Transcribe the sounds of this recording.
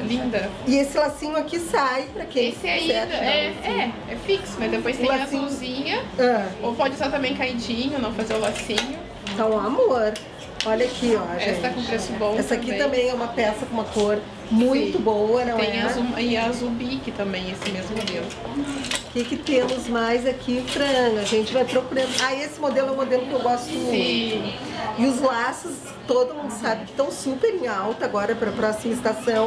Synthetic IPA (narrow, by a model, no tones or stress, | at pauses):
lĩnd̪ɐɪesɪlasĩɲʊakisajpɾɐkẽesɪɛiɛɾɛɛ | ɛfiksʊmɐzd̪epojst̪lãazĩɲɐɐ̃owpɔd͡ʒɪsat̪ɐ̃mbẽj̃kaid͡ʒĩɲʊnɐ̃w̃fazeɾʊlasĩɲʊ | ẽt̪ɐ̃w̃amoɾ | ɔʎɐkiɔɛst̪akõpɾesʊbõw̃ɛsɐakit̪ɐ̃mbẽj̃ɛũmɐpɛsɐkõũmɐkoɾ | mũj̃t̪ʊbowɐnɐ̃w̪̃ẽj̃ɛzuɪazubikɪt̪ɐ̃mbẽj̃esɪmezmʊmod̪elʊʊkɪkɪt̪ẽmʊzmajzakʰifɾɐaʒẽnt͡ʃɪvajpɾokuɾɐ̃nd̪ʊaesɪmod̪elʊɛũmod̪elʊkɪewɡɔst̪ʊmũʊ | ɪʊzlasʊs | t̪od̪ʊmũnd̪ʊsabɪkɪ̥t̪ɐ̃w̃supeɾẽawt̪ɐaɡɔɾɐpɾɐpɾɔsimɐɪst̪asɐ̃w̃